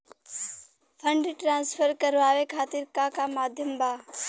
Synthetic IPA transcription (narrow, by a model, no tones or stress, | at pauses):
pʰə̃ɳɖʈɾãːnsfʰəɾkəɾʋaːʋekʰaːt̪iɾkakamaːd̪ʱjəmbʱaː